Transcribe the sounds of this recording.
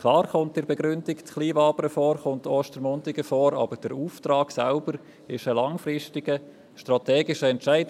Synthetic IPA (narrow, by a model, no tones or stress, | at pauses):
kʰlɑːrχʊnt̚d̥ɪɾbɛɡɾʏndiktχliːvɑːpəɾəfɔːɾχʊntʰɔːʃtəɾmɔntɪɡəfɔːɾɑ̰b̥əɾd̥ɛɾuːftrɑːksɛlb̥əɾ | ɪʃəlɑŋfrɪʃtɪɡə | ʃtrɑtɛːɡɪʃəɛntʃæɪd